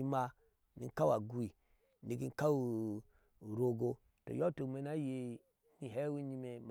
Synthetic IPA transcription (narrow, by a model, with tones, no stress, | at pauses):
i˦ma˦ | nḭ˨ŋ˦ka˦wa˨ɡu˨i˨ | ni˨ɡi˦n˦ka˦wu˦˨ | ɾo˨ɡo˦ | to̰˨jo˦to˨kme˨˦na˦je˨ | ni˨ɦe˦wi˦ɲi˦me˨m˨